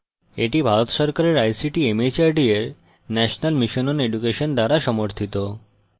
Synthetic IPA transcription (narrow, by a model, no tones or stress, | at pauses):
eʈibʱaɾot̪ʃɔɾkaɾeɾajsiʈiemet͡ɕaɾɖieɾ | nɛʃonalmiʃononeɖukeʃond̪aɾaʃɔmoɾt̪ʰit̪o